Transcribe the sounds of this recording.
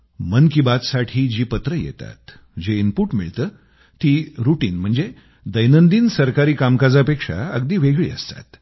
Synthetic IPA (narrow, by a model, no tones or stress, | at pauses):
mənkibat͡ssaʈʰiːd͡ʑiːpət̪ɾəjḛt̪a̰t̪ | d͡ʑeimpuːɾʈmiɭt̪əː | t̪iːɾuʈiːnm̤əɳd͡ze | d̪əjnənd̪iːnsəɾkaɾiːkamkad͡zapekʂa̰əɡd̪iːʋeɡɭḭːə̰st̪a̰t̪